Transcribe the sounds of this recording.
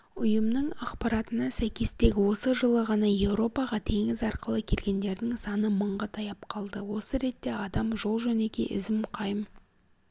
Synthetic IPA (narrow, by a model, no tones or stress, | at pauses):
ʊjəmnəɴɑqpɑɾɑt̪ənɑsæjkʲe̞st̪e̞ɡʲɪwo̞səʒəlˠəʁɑnɑje̞wɾo̞pɑʁɑt̪ʰe̞ŋɪzɑɾqəlˠəkʲʰe̞lɡʲe̞nd̪e̞ɾd̪ɪŋsɑnəməɴʁɑt̪ʰɑjɑpqʰɑlˠd̪əwo̞səɾe̞t̪ːe̞ɑd̪ɑmʒo̞lˠʒɵne̞kʲe̞̰ʔɪzɪmqʰɑjəm